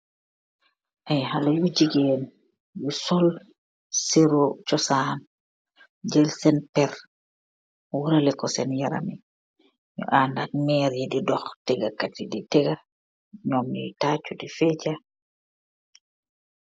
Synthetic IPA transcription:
ʔajhalajud͡ʒiɡɛn | jusɔl | siɾot͡ʃɔsan | d͡ʒɛlsɛnpɛɾ | wuɾalɛkɔsɛnjaɾa̰mi | jɔ̰ʔandanmɛɾjɛdidɔxtɛɡakatiditɛɡa | ɲɔmḭtat͡ʃudifɛd͡ʒa

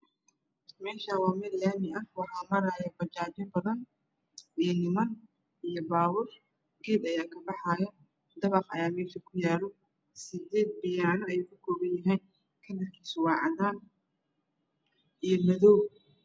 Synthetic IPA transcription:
mɛːʃaːwɑːmɪd̪jaːmɪʔɐhwɑħɑːmɐɾaːjɐbɐt͡ʃaːd͡ʒɪmbɐðɐn | ijnɪmɐn | ʔijɔbaːwʊr | ɡiːd̪ɐjaːkʰɐbɑħɑːjɐ | d̪ɐβɑqɐ̰jaːmɛːʃɐkʰʊjaːlɔ | sɪd̪ɛːd̪̚bɪjaːnɔɛjukʰʊkʰɔːβɐnjɐɦɛjn | kʰɐnɐrkʰiːsʊwɑːʕɑðaːn | ijɞmɐðɔw

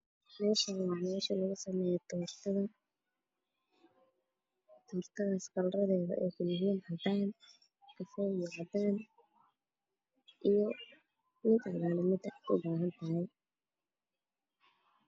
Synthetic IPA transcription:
mɛːʃɐnwɑːmɛːʃɐlɐɣʊsɐmɛːjɛt̪ʰɔːrt̪ʰɐðɐ | t̪ʰɔːrt̪ʰɐɣɐskɐlrɐðɛːðɐ̰ʔɛːkʊlɪɣiːnhɐd̪aːn | kʰɐfɔːjɔʕad̪aːn | ʔijɔ | mɪd̪ɐlaːlɛmɪd̪ʊbaːɦɐnt̪ʰɐɦɛj

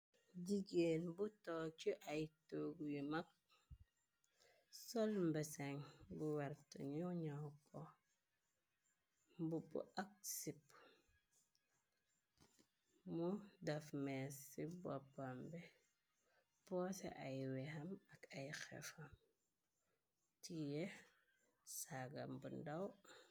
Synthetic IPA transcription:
ɟiɡenbutot͡ʃuʔajtoɡujumak̚ | solmbeseŋbuwaɾtṵɲjuɲawko | mbubṵʔak̚sip | mudafmesːibopːambɛ | pɔsḛʔajwɛhamɐkajxɛ̰fam | tije | saɡa̰mbundaw

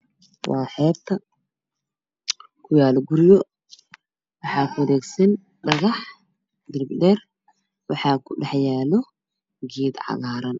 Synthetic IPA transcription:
wɑːħɛːbt̪ʰɐ | kʰʊjaːlɡʊɾɪjɔ | wɑħɑːkʰʊwɐlɛːɡsɐn | ɖɐɣɑħ | d̪ɪrbdɛr | wɑħɑːkʰʊɖɐħjaːlɔ | ɡiːd̪ʕɑ̰ɣaːɾɐn

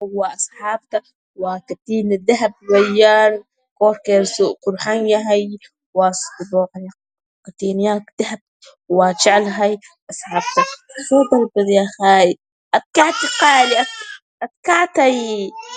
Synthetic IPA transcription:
hʊwːaʔɑsˤħɑːb̚t̪a | wakat̪iːnd̪aɦab̚wajːaːɾ | koːɾkeɾsuʔkʊɾħanjaɦaj | wast̪b̪oːʕaj | kat̪iːnjakd̪̥ahab̚ | wat͡ʃaʕlɦaj | ʔɑsˤħaːb̚t̪afod̪ˤɑlbadjaxaːj | ʔat̪̚kaʕt̪iqaːliʔa | ʔat̪̚kaʕt̪aj

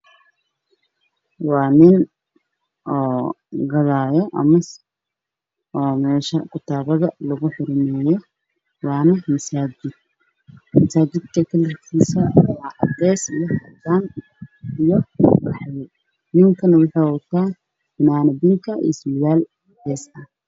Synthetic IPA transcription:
wɑːnɪn | ʔɔːɡɐðaːjɔʔɐ̰mɐs | ʔɔːmɛːʃɐkʰʊt̪ʰaːβɐðɐlɐɣʊħɪɾmɛːjɔ | wɑːnɐmɐsaːd͡ʒɪd̪̥̚ | mɐsaːd͡ʒɪd̪kʰɐkʰɐlɪrkʰiːsɐwaːʕɐd̪ɛːsijɔhɐd̪aːn | ɪjɔwɑħɑj | nɪŋkʰɐnwʊħɑwʊt̪ʰaː | ɪnaːnɐbɪŋkʰɐʔḭsɪjaːl | d̪ɛːsɐ

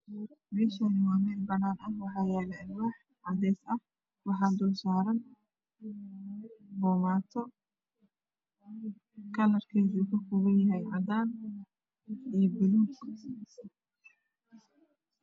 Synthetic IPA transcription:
mɛːʃanɪmaːmɛnbɐnaːnɐnwɑħɑːjaːlɐɪnwɑːħ | ʕɑd̪ɛːsɐh | wɑħɑːd̪ɔːsaːɾɐn | bɔːmaːt̪ʰɔ | kʰɐlɐrkʰɛːðiʊkɐkʰʊɣɐjɐɦɛjʕɑd̪aːn | iːbɪluk

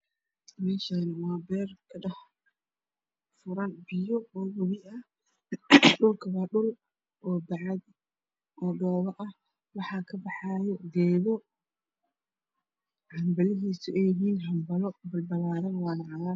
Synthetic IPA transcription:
mɛːʃaːnɐwɑːbɛːrkʰɐɗɐh | fʊɾɐnbɪjɔɔːwɐwɪɐ | ɗʊlkʰɐwɑːɗʊl | ʔɔːbɑʕɑd̪ | ʔɔːɖɔːβɐʔɐh | wɑħɑːkʰɐbɑħɑːjɔɡɛːðɔ | hɐmbɐlɪɦiːsʊɛːjɪɦiːnɦɐmbɐlɔbɐlbɐlaːɾɐnwɑːnɐʕɑlaː

